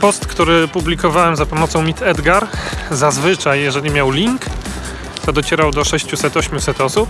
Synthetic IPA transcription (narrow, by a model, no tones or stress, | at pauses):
pɔst̪kt̪uɾɘpublʲikɔvawɛmzapɔmɔt̪sɔ̃w̃mʲit̪ɛd̪ɡaɾzazvɘt͡ʂajːɛʐɛlʲimʲjawlʲiŋk | t̪ɔd̪ɔt͡ɕɛɾawd̪ɔʂɛɕt͡ɕusɛt̪ɔɕmʲjusɛt̪ɔsup̚